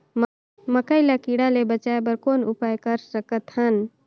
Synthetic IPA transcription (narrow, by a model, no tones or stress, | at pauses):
m | məkəɪlakiɽalebət͡ʃaebəɾkonupajkəɾsəkət̪ɦən